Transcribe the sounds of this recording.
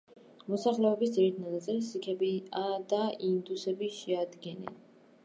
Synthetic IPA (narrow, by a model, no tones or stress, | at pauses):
mɔsaχlɛɔbisd̪ziɾit̪ʰnat̪ʼat̪sʼilsikʰɛbiad̪aind̪usɛbiʃɛad̪ɡɛnɛ̰n